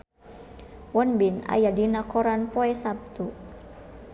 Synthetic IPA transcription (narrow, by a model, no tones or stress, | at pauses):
wɔnbina̰jadinakɔɾanpɔɛsap̚t̪u